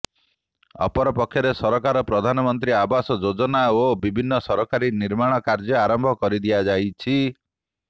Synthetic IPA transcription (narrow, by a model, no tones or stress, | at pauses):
ɔ̰pɔɾɔpɔkʰːjɔɾesɔɾɔkaɾɔpɾɔd̪ʱanɔmɔnt̪̬ɾiabasɔd͡ʒod͡ʒɔnaobibʱinːɔsɔɾɔkaɾiniɾmaɽ̃ɔkaɾd͡ʒɔaɾɔmbʱɔkɔɾid̪iad͡ʒajt͡ʃʰi